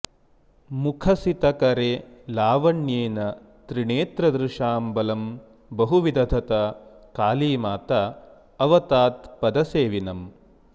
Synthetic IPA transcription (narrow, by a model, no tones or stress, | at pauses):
mukʰɐsit̪ɐkɐɾelaːʋɐɳjeːnɐ | t̪ɾiɳeːt̪ɾɐd̪ɾɪʂaːmbɐlɐm | bɐɦuʋid̪ɐd̪ʱɐt̪ɐkaːliːmaːt̪ɐ | ɐʋɐt̪aːt̪pɐd̪ɐseːʋinɐm